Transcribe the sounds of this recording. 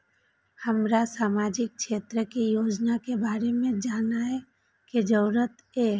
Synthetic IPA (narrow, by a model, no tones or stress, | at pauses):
həmɾasaːmaːd͡ʒɪk̚ʃeːt̪ɾəkijoːd͡ʒnakebaːɾemẽd͡ʒaːnaɦɛ | ked͡ʒəɾət̪ | eː